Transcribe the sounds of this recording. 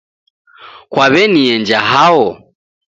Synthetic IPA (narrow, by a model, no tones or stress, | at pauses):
kwaβɛniɛnd͡ʒaɦaɔ